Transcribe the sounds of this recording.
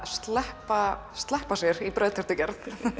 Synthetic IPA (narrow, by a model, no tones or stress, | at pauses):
st̪lɛhpast̪lɛhpasjɛɾipɾœːɥðt̪ʰɛɾ̥t̪ʏcɛɾθ